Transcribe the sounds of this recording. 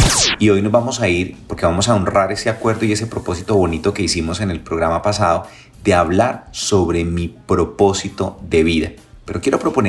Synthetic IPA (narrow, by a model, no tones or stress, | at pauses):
io̞jnozbamo̞saiɾpoɾke̞βamo̞saonraɾe̞se̞akwe̞ɾðo̞ie̞s̬e̞pɾo̞po̞s̬it̪o̞βo̞nit̪o̞ke̞isimo̞se̞ne̞lpɾo̞ɣɾamapasaðo̞ | d̪e̞aβlaɾso̞βɾe̞mipɾo̞po̞sit̪o̞ðe̞βiða | pe̞ɾo̞kje̞ɾo̞pɾo̞pone